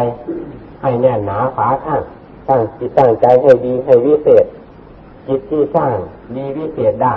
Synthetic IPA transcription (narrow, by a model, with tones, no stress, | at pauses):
j | ha˧˩jnɛː˧˩nːaː˨˦pʰaː˨˦k̪ʰaː˧˩ŋ | saː˧˩ŋt̪i˧t̪ːaː˧˩ŋt͡ɕa˧jɦa˧˩jdiː˧ɦa˧˩jwiː˧˥˨seː˨˩t̪̚ | t͡ɕi˧˥t̪̚t̪ʰiː˧˩saː˧˩ŋ | diː˧˦wiː˧˥˨seː˨˩t̪̚daː˧˩